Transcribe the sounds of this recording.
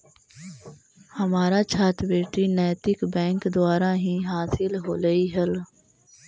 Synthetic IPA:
hɐmaːɾat͡ʃʰaːt̪beːʈinɛːt̪ɪkbɛ̃ːŋkd̪ʊaːɾaɦĩɦaːsɪlɦoːləiɦɐl

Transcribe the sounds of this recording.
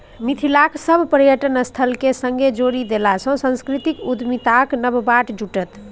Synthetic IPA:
mit̪ʰilaksəbʱpəɾjəʈənəst̪ʰəlkesə̃ŋɡed͡ʒoɾid̪elasə̃sə̃nskɾit̪ikud̪mit̪aknəbbaʈd͡ʒuʈət̪

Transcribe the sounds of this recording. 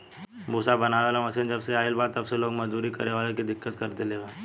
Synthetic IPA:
busabənaːʋelaməsind͡ʒəbseaːɪlbaːt̪ɐbseloːɡməzd̪uːɾikə̰ɾeʋaːlekid̪ɪkːət̪kəɾt̪eleʋə

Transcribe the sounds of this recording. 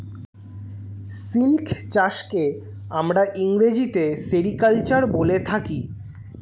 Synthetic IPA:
silkʰt͡ɕaʃke | amɾaʔiŋɾed͡ʑit̪eseɽikalt͡ɕaɾbolet̪ʰaki

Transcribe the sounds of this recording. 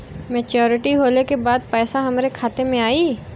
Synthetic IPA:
meːt͡ʃɔːɾɪʈiɦoːlekebaːd̪̚pɛːsaɦɐmɾekʰaːt̪emẽaːiː

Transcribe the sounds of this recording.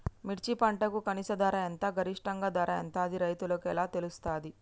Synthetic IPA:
miʈt͡ʃipɐɳʈɐkukɐnisɐd̪aːɾɐent̪ɐɡɐɾiʂʈɐŋɡɐd̪aːɾɐɛ̰nt̪aːɐd̪iɾɐjt̪uloːkɛlaːt̪e̞lust̪aːd̪i

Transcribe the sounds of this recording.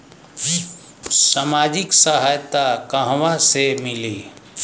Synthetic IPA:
samaːd͡ʒɪksəɦaːjt̪akəɦwasemɪliː

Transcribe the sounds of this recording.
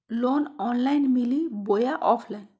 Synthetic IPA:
loːnɔnlajnmilibojaʔɔpʰlajn

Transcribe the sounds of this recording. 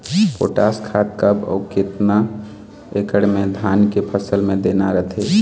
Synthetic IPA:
po̰ʈaskʰat̪̚kəbɔ̰ːket̪na | ekəɽmed̪ʱaːnkepʰəsəlmẽd̪enaɾət̪ʰe

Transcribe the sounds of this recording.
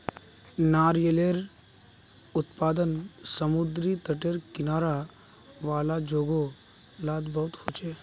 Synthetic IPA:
naːɾjəleɾ | ʊt̪paːd̪ənsəmʊd̪ɾit̪əʈeɾkɪnaːɾa | ʋaːlad͡ʒoːɡo | laːd̪bɐɦt̪hot͡ʃeː

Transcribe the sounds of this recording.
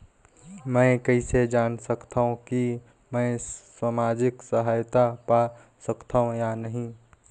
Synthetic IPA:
mɛ̃ːkɐised͡ʒaːnsɐkt̪aɦũki | mɛ̃swaːmaːd͡ʒɪksəɦaːjt̪apa | sɐkt̪ʰaːɦũjanɐɦĩ

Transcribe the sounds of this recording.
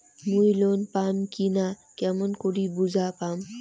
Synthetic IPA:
mujlonpaːmkinakemonkoɽibuzaːpaːm

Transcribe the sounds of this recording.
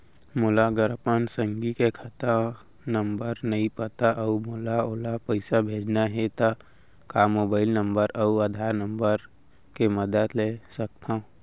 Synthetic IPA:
molaɡəɾpənsə̃ŋɡikekʰət̪a | nə̃mbəɾnɐɦĩpət̪aʔəumolaoːlapəɪsabʱeːd͡ʒnaɦet̪a | kamoːbaːɪlnə̃mbəɾəuəd̪ʱaːɾnə̃mbəɾ | keməd̪ət̪lesək̚t̪ʰã

